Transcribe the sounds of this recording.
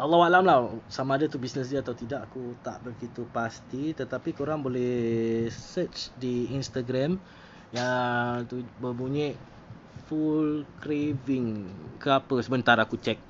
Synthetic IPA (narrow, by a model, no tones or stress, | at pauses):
ʔalːɔwaʔlamlasamãːdat̪ubisnəsdiat̪awt̪idaʔakut̪a̰ʔbəɡit̪upast̪it̪ət̪apikəoɾaŋbolɛh | sət͡ʃdiinst̪aɡɾɛm | jat̪ubəbuɲɛʔ | fulkɾivɪŋkəapəsəbənt̪aɾakut͡ʃɛk̚